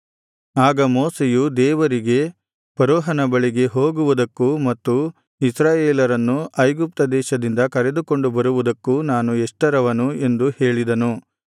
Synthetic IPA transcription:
aːɡɐmoːsejud̪ɛːʋɐɾiɡe̞ | pɐɾɔːɦɐnɐbɐɭiɡe̞ɦo̞ːɡuʋud̪ɐkːumɐt̪ːu | isɾaːjeːlɐɾɐnːuʔɐjɡup̚t̪ɐd̪ɛːʃɐd̪ind̪ɐkɐɾe̞d̪uko̞ɳɖubɐɾuʋud̪ɐkːunaːnueʂʈɐɾɐʋɐnue̞nd̪uhe̞ːɭid̪ɐnu

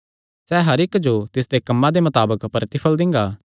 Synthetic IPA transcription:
sɛːɦɐɾɪkd͡ʒot̪ɪs̬d̪ekɐmːãd̪emɐt̪aːbəkpɐɾət̪ɪpʰəld̪ɪ̃ŋɡaː

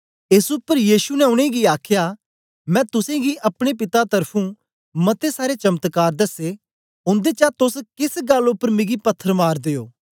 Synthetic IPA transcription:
ɪsʊpːəɾjiːʃunɛʊɽ̃ẽɡiaːkʰja | mɛ̃ːt̪ʊsẽɡiʔɐpɽ̃ep̬ɪt̪at̪ɐɾpʰũ | mɐt̪esaːɾet͡ʃɐmt̪kaːɾd̪ɐse | ʊ̃nd̪et͡ʃat̪ʊskɪsɡɐlʊpːəɾmɪ̃ɡipɐt̪ʰːəɾmaːɾd̪eːjoː

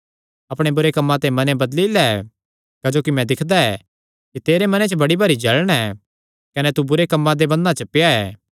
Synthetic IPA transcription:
ɐpɽ̃ebʊɾekɐmːãt̪ãːĩmɐnebɐd̪lilɛ | kɐd͡ʒoːkimɛ̃d̪ɪkʰd̪aɛː | kit̪eːɾemɐnet͡ʃəbɐɽibʱɐɾid͡ʒɐɭɽ̃ɛ | kɐnɛt̪ubʊɾekɐmːãd̪ebɐ̃nd̪ãt͡ʃɐpjaɛː

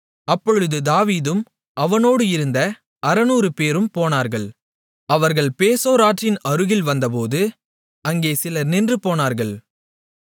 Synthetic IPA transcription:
ɐpːɔɻɯðɯd̪aːʋiːðɯm | ʔɐʋɐnoːɽɯɪɾɯnd̪ɐ | ɐɾɐnuːɾɯpeːɾɯmpoːnaːɾɣɐɭ | ɐʋɐɾɣɐɭpeːsoːɾaːʈrɪnɐɾɯɣɪlʋɐnd̪ɐp̬oːðɯ | ɐŋɡeːsɪlɐɾnɪndrɯpoːnaːɾɣɐɭ

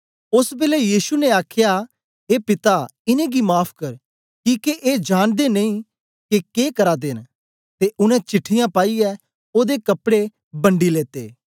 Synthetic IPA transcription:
ʊsbeːlejiːsuneaːkʰja | ɦeːpɪt̪aɪnẽɡimaːpʰkɐɾ | kiːkeʔeːd͡ʒaːnd̪enɐĩː | kekeːkɐɾaːd̪eːn | t̪eʔʊñɛ̃t͡ʃɪʈʰːɪjãpaːiɛː | oːd̪ekɐpɽe | bɐ̃ɳɖileːt̪ḛː

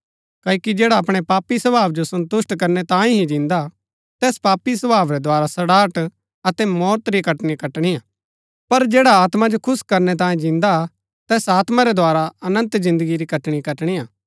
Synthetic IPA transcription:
kɐːkid͡ʒɛːɽaɐpɽ̃epaːpisɐbʱaːʋd͡ʒosɐ̃nt̪ʊʃʈkɐɾnɛt̪ãːĩɦĩd͡ʒɪ̃nd̪a | t̪ɛːspaːpisɐbaːʋɾɛd̪ʱoaːɾasɐɽaːʈ | ɐt̪ɛmɔːt̪ɾikɐʈɽ̃ikɐʈɽ̃ijaː | pɐɾd͡ʒɛːɽaaːt̪mad͡ʒokʰʊskɐɾnɛt̪̬ãːĩd͡ʒɪ̃nd̪a | t̪ɛːsaːt̪mãɾɛd̪ʱoaːɾaɐnə̃nt̪zɪ̃nd̪əɡiɾikɐʈɽ̃ikɐʈɽ̃iaː

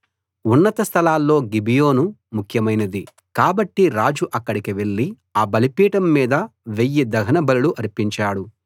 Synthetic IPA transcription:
unːɐt̪ɐst̪ʰɐlaːlːo̞ːɡibijo̞ːnumukʰjɐmɐjnɐd̪i | kaːbɐʈːiɾaːd͡ʒuʔɐkːɐɽikiʋe̞ɭːi | aːbɐlipiːʈɐmːiːd̪ɐʋejːid̪ɐɡɐnɐbɐluluʔɐɾipiɲt͡ʃaːɽu

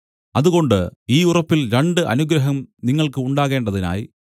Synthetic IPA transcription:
ɐðuɣo̞ɳɖɨiːurɐpːilɾɐɳɖɨʔɐ̰nuɡɾɐɦɐmniŋːɐɭkɨuɳɖaːɣe̞ːɳɖɐðina̰ːji

